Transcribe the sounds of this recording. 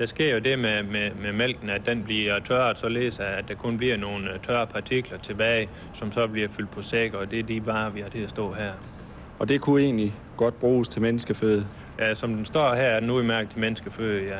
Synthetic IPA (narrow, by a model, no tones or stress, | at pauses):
d̥ɑ̈sɡ̥e̝ɐ̰jo̝de̝memememel̰ɡ̥n̩ædd̥enb̥liɐɐt͡sʰɶɐ̥sɒ̽le̝̰ːðˠsɑɪæd̥ɑ̈kʰɔ̽nb̥liɐno̝ːnt͡sʰɶɐpʰɑ̈t͡sʰiɡ̥lɐt͡sʰe̝b̥ɛːɪ | sɒ̽msɒ̽b̥liɐfyl̰d̥̚pʰɒ̽seɡ̥ɐɒd̥e̝æɐdib̥ɑ̈ːʋihɑ̈t͡sʰe̝læsd̥ɔ̰̽ːɦæɐ̰ | ɒ̽d̥e̝kʰue̝̰ːnli | ɡ̥ɒ̽d̥̚b̥ʁuːst͡sʰe̝menəsɡ̥əføːð̩ˠ | jæsɒ̽md̥ensd̥ɒ̰ːɦæɐæɐdnːuimæɐɡ̥̩t͡sʰe̝menəsɡ̥əføð̩ˠjæ